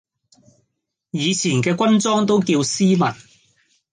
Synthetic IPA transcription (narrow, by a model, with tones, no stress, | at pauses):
jiː˨˧t͡sʰiː˨˩nkɛː˧kʷɐ˥nt͡sɔː˥ŋt̪o˥wkiː˧wsiː˥mɐ˨˩n